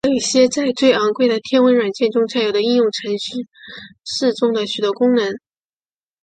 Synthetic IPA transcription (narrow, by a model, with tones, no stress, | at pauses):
i˥˩ɕjɛ˥t͡sa˥˧ɪt͡swe˥˩ɪɑ˧˥ŋkwe˥˧ɪd̪ə˩t̪ʰjɛ˥nwə˧˥nwa˨˩nt͡ɕjɛ˥˩nʈ͡ʂʊ˥ŋt͡sʰa˥ɪjʊd̪ə˦i˥njʊ˥˩ŋʈ͡ʂʰə˧˥ŋɕy˥˧ʂɻ̩˥˧ʈ͡ʂʊ˥˩ŋd̪ə˩ɕy˨˩t̪wɔ˧˥kʊ˥ŋnə˧˥n